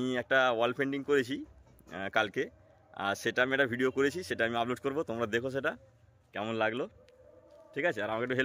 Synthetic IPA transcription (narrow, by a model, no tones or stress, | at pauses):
iɛk̚ʈawalpʰeɳɖiŋkoɾet͡ɕʰi | kalke | a̰ɾʃeʈaamiɛk̚ʈabʱiɖiokoɾet͡ɕʰiʃeʈaamiaploʈkoɾbot̪omɾad̪ekʰoʃ̬eʈa | kɛmonlaɡlo | ʈʰikat͡ɕʰeaɾamakekʈ̪ːuɦel